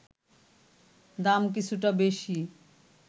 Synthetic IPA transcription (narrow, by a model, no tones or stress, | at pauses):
d̪amkit͡ɕʰuʈabeʃi